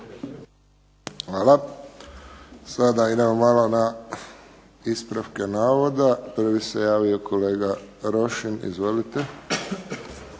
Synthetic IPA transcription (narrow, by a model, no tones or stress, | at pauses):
xʋaːla | sad̪aid̪emomalona | ispɾafkenaːʋo̞d̪apr̩ʋisejaːʋioko̞le̞ːɡaɾo̞ʃinḭzʋo̞lit̪e